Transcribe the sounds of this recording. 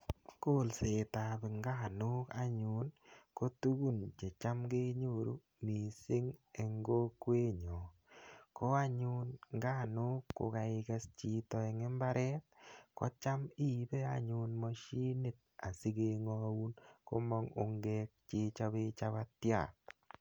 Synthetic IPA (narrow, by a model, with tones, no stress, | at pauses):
ko˦˨lse˨ta˨bi˨ŋɡa˦˨nʊ˦ka˦ɲu˨nko˦tu˦ɡu˦nt͡ʃe˨t͡ʃa˦mɡe˦ɲo˦˨ɾu˦ | mi˨sɪ˦ŋe˨ŋɡo˦kwe˦ɲɔ˨ | ko˦a˦ɲu˦nŋɡa˦˨nʊ˦kːo̰˨ka˨ɪ˦kɛ˦st͡ʃi˦tɔ˨ɛ˨ŋe˦mba˦ɾʔɛ˦t̚kɔ˦t͡ʃa˦mi˦bɛ˦a˦ɲunmɔ˦ʃi˦ni˦t̚ | a˨si˦ke˦ŋɔ˦u˦nko̰˦mɔ˦ŋo˨ŋɡe˦k̚t͡ʃi˦t͡ʃa˦be˦t͡ʃa˦βa˦tja̰˨